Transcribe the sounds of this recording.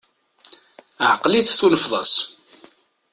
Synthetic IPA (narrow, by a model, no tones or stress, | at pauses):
ʕqliθθunəfðˤɑs